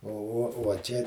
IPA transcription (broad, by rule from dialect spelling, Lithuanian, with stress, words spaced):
oː uɔ uɔ ˈt͡ʃʲɛ